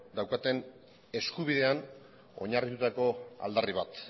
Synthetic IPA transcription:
d̪awkat̪e̞n | e̞skuβiðe̞an | o̞̰ɲarit̪ut̪ako̞a̰ld̪ariβ̞at̪

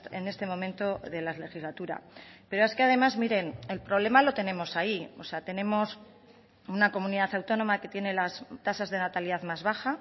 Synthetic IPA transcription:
ene̞st̪e̞mõ̞mẽ̞nt̪o̞ðe̞lazle̞xizlat̪uɾa̰pe̞ɾo̞e̞ske̞aðe̞mazmiɾe̞ne̞lpɾo̞β̞le̞malo̞t̪e̞nẽ̞mo̞saiose̞at̪e̞ne̞mo̞s | unako̞mũniðaθawt̪o̞no̞make̞t̪je̞ne̞last̪asazðe̞nat̪aliðaðmazβaxa

